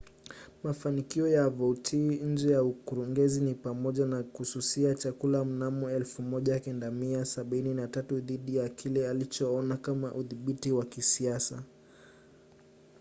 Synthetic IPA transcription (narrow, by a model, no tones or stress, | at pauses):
mafanikiɔjavɔutʰiɲ̩d͡ʒɛjaukuɾuŋɡɛzinipamɔʄanakususiat͡ʃakulam̩namɔɛlfumɔʄakɛndamiasaɓininatatuðiɗijakʰilɛalit͡ʃɔɔnakamaʔuðiɓitiwakisiasa